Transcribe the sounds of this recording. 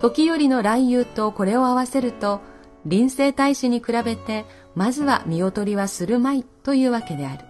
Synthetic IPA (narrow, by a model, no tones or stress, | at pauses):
t̪o̞kʲijo̞ɾʲino̞ɾaijɯːt̪o̞ko̞ɾe̞o̞aβase̞ɾɯ̟t̪o̞ | ɾʲĩɰ̃se̞ːt̪aiɕɨɲ̟ikɯ̟ɾabe̞t̪e̞ | mazɨβa̰mʲio̞t̪o̞ɾʲiβasɨɾɯ̟mait̪o̞jɯ̟ːβake̞d̪e̞aɾɯ̟